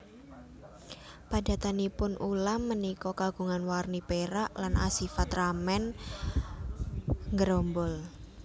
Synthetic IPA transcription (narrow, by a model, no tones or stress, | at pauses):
pada̤t̪anipʊnʔulamːənikɔkaɡ̥ṳŋanwarnipeɾaʔlanʔa̰sifat̪ramɛn | ŋɡəɾombɔl